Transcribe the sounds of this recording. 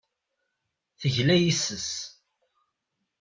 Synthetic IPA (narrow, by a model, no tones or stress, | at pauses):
θəʝlæjisːəs